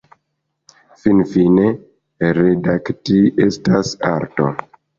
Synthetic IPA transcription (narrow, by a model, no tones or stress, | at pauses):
finfine | ɾedaktiestasa̰ɾto̰